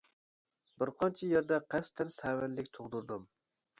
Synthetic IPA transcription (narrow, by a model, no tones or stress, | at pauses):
bɪɾqʰɑnt͡ʃʰɛjeɾd̪ɛqʰɛst̪ʰɛnsæwɛnlɪkʲt̪ʰoʁd̪uɾd̪ɨm